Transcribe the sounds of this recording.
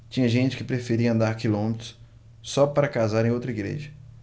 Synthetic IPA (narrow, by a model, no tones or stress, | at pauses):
t͡ʃĩɲɐʒẽt͡ʃɪ̥kɪpɾefeɾiɐɐ̃nd̪aɾkilõmet̪ɾʊ̥s | sɔpaɾɐkazaɾẽj̃owt̪ɾɐiɡɾḛʒɐ